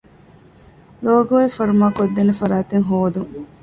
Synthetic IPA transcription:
loːɡoːefɐɾumaːkod̪ːenefɐɾaːt̪eŋɦoːd̪uŋ

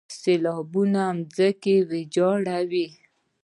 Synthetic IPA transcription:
selɑbunamd͡zəkewed͡ʒɑɽawi

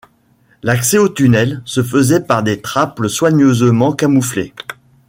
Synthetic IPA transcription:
laksɛot̪ynɛlsəfəzɛpaʁd̪et̪χapləswaɲøzəmɑ̃kamuflḛ

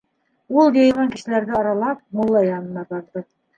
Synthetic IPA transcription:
ulˠɡejmɑŋkɘ̆ʃɘ̆læɾdɘɑɾɑlˠɑp̚mulˠːɑjɑnɤ̆nɑb̪ɑɾd̪ɤ

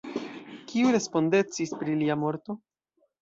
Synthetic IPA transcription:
kiuɾe̞spo̞nde̞t͡sispɾiliamo̞ɾt̪o̞

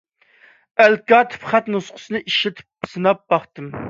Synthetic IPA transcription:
ælkʲɑːt̪ʰɨ̥pχæt̪nusqʰʊ̥sɨnɨʔiʃɪt̪ʰɪ̥p̚ːsɨnɑp̚bɑχt̪ɨm

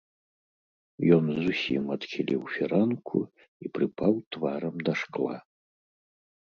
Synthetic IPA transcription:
jɔnzusʲḭmɐt̪xʲilʲḭwfʲiɾankʰṵ | ipɾɨpawt̪vaɾɐmd̪ɐʂklˠa̰

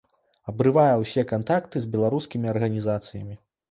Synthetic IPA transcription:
ɐbɾɨvajɛwsʲɛkant̪akt̪ɨzʲbʲɛlˠaɾuskʲimʲiɐrɣɐnʲizat̪sɨjɐmʲi

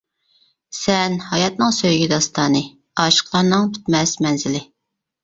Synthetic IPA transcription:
sɛnhɑjɑt̪̚nɨŋsøjɡʲid̪ɑst̪ɑːnɨ | ɑːʃə̥qlˠɑɾnɨŋpʰy̥t̪mɛsmɛnzɪlɪ

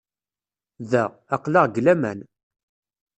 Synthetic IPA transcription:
ðæː | qlɑʁɡlæmæ̰n

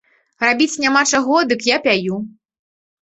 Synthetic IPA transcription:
rabʲit͡sʲnʲamat͡ʂaɣɔd̪ɨkjapʲaju

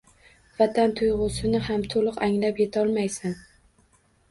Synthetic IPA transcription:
vat̪ʰant̪ʰʊjʁʊsɪnɪhamt̪ʰolˠɨqaŋlapjet̪ʰɒlˠmajsan

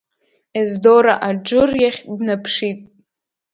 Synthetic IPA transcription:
ezdoɾaʔad͡ʒɨrjaχʲʼdnapʰʂitʼ

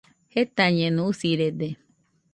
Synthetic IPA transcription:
het̪aɲẽnũusiɾed̪e

